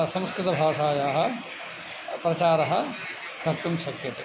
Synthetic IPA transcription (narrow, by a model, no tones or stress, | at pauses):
ɐsɐ̃mskɾɪt̪ɐbʱaːʂaːjaːɦɐ̆ | pɾɐt͡ʃaːɾɐɦɐ | d̪ʱɐkt̪umʃɐkjɐt̪e